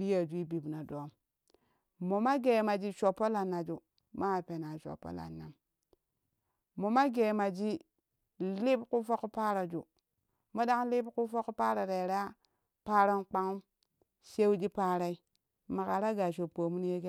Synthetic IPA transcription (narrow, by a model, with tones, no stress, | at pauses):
bi˦ja˨d͡ʒʷi˦bi˨bna˨do˨˦m | mo˨ma˦ɡe˨ma˨d͡ʒi˨ʃo˨pːo˦la˨nːa˨d͡ʒu˨ | ma˦˨pe˨na˨ʃo̰˨pːo̰˦la̰˨nːa˨m | mo˨ma˦ɡe˨ma˨d͡ʒi˦ | li˦bku˦fo˦kpa˦ɾa˨d͡ʒṵ˨ | mo˦da˦ŋli˦bku˦fo˦kpa˦ɾa˨ɾe˨ɾa˦ | pa˦ɾa˦nk͡pa˦ŋu˦ | ʃe˦wd͡ʒi˦pa˦ɾa˦i˦ | ma˨ka˨ɾa˦ɡa˨ʃ̬o˨po˨mu˦n˦je˦ɡe˦